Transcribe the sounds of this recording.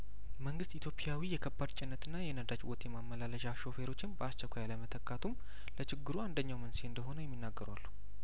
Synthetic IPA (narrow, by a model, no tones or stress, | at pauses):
məŋɡɨst̪it̪jo̞pʼjawijɛkʰəbːad̪t͡ʃʼɪnːət̪ʰɨnːajɛnəd̪at͡ʃwɔt̪ʰjɛmamːəlaləʃaʃo̞fe̞ɾo̞t͡ʃːɪnbəast͡ʃːəkʷʰajaləmət̪ʰəkʼːat̪ʰum | lət͡ʃʰɪɡːɨɾuand̪əɲːawmənseɨnd̪əɦo̞nəjɛmːinːaɡːəɾa̰lːu